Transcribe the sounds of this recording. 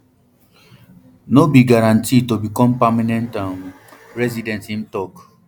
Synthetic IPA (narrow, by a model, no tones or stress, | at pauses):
nobiɡaɾãntitobikɔ̃m̩pamanɛ̃ntãn | ɾɛzidɛ̃ntin̩tɔk